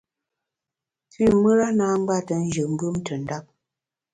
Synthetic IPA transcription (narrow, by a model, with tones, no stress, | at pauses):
ti˦˨mə˦ɾa˦na˦ŋ˦ɡ͡ba˦˨tə˨n̩˦d͡ʒə˨m̩˦bɯ˦mtə˨n̩˦da˦p̚